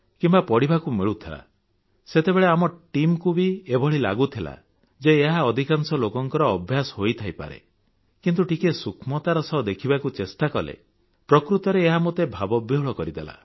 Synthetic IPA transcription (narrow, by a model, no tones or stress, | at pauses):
kimbapɔɽibakumiɭut̪ʰila̰ | set̪ebeɭeamɔʈimkubiebʱɔɭ̤ila̰ɡut̪ʰila̰ | d͡ʒeːɦaɔd̪ʱikaŋsɔlokɔŋkɔɾɔːbʱjasɔ̥ɦojt̪ʰajpa̰ɾḛ | kint̪uʈikesukʰmɔt̪aɾɔsɔɦd̪ekʰibakut͡ʃest̪akɔlḛ | pɾɔkɾut̪ɔɾeːɦamot̪ebʱabɔbiɦɔɭɔkɔɾid̪ḛla̰